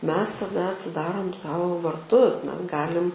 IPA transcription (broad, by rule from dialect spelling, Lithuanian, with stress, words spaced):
ˈmʲɛs tɐˈdɐ ɐtʲsʲɪˈdɑːroːm ˈsɐʊ ʋɐrˈtʊs ˈmʲɛs ˈɡɑːlʲɪm